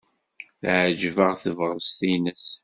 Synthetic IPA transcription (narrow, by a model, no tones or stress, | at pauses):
θʕd͡ʒvəʁθəvʁst̪inəs